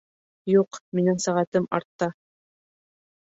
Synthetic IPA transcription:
juqminɘŋsæʁæt̪ɘmɑ̰ɾt̪ːɑ

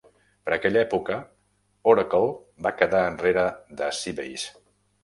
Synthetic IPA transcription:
pəɾəkɛʎɛpukə | oɾəkolˠ | bakəðaənreɾəðəsiβḛjs

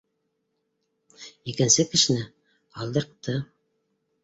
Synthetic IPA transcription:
ikɘ̆nsɘkɘ̆ʃɘ̆nɘ | ɑlˠd̪ɤ̆ɾqt̪ːɤ

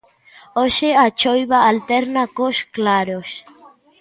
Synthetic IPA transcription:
oʃeat͡ʃojβaːlt̪eɾnakosklaɾos

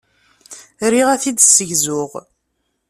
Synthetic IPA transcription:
ɾiʁæθid̪sːəʝzʊʁ

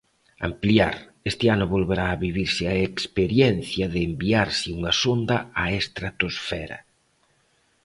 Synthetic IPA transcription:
a̰mpliaɾ | est̪ɪanʊβolβeɾaːβiβiɾsɪaekspeɾjɛnθjɐðɪːmbiaɾsɪuŋɐsond̪ɐaest̪ɾat̪osfɛ̰ɾɐ̰

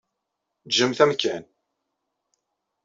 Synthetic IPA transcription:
d̪ʒəmθæmkːæn

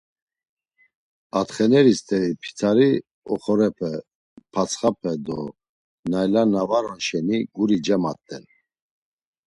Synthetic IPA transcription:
at̪χɛnɛɾist̪ʼɛipʰi̥t͡sʰaɾi | ɔ̰χɔɾɛpʰɛ | pʰat͡sʰχapʰɛd̪ɔ | najlanavaɾɔʃɛniɡuɾid͡ʒɛmat̪ʼːɛn

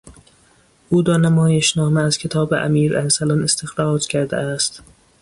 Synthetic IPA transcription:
ʔuːd̪ɒːnæmɒːjeʃnɒːmeæz̥cʰe̞t̪ʰɒːbeʔæ̰miːɾænsælɒne̞st̪e̞xɾɒːd͡ʒcʲʰæɾd̪ḛʔæst̪

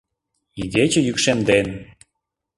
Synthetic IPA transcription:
iɣet͡ɕə̆jykʃend̪en

